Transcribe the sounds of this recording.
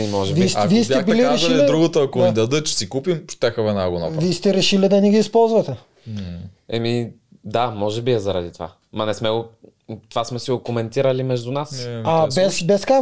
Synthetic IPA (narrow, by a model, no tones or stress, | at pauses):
imɔʒɛvistviɛsʲɛbiliaɾɛʃɡ̪id̪ɾuɡot̪oɐkoɛd̪ɐd̪ət͡ʃsikupimpt̪ɛxəvɛnaɡonɔ̰vist̪ɛɾɛʃilid̪ɐniɡiːspɔlˠzvɐt̪ɛ | ɛmi | d̪amɔʒɛbiɛzɐɾɐd̪it̪ova̰ | mɐnɛsmɛɡʊ | t̪ovasmɛsiokomɛnt̪iɾɐlimɛʒd̪ʊnasabɛsbɛska